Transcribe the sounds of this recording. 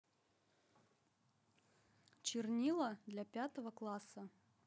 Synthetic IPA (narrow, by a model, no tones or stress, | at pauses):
t͡ɕɪrnʲilˠəd̪lʲapʲat̪əvəklˠasə